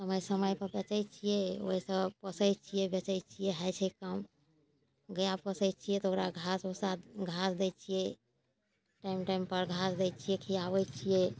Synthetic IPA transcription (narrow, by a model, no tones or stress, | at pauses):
səməjsəməjpəɾbət͡ʃəjt͡ʃʰijɛo̰isəpəsəjt͡ʃʰijɛbet͡ʃɛjt͡ʃʰijɛɦɛjt͡ʃʰɛkəm | ɡəjapəsət͡ʃʰijɛt̪ɔokɾaɡʱasosat̪ɡʱasd̪ɛt͡ʃʰijɛ | ʈaimʈaimpəɾɡʱasd̪ɛt͡ʃʰijɛkʰijabɛt͡ʃʰijɛ